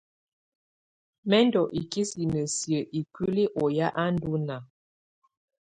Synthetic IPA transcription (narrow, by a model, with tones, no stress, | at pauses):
mɛ˦ndɔ˨ʔi˨ki˦si˨nə˨sjə˨ʔi˨ki˦li˦ʔɔ˨ja˦ʔa˦n˦du˦na˨